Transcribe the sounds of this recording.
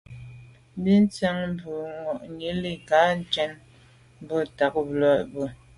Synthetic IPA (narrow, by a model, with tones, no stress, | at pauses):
bi˦n̩˦t͡sa˦ŋm̩˦bu˨ŋɔ˨ʔɲi˨˦li˦ka˨˦n̩˦t͡ʃɛ˦n | m˦bɔ˦ta˨k̚blɔ˨˦ʔbu˦˨